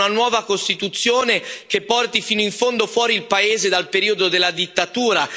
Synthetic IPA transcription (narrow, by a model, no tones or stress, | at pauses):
nanwɔːvakost̪it̪ut̪sːjoːnek̟epːɔrt̪ifiːnoiɱfond̪ofwɔːɾiːlpaeːzed̪alpeɾiːod̪od̪elːad̪it̪ːat̪uːɾa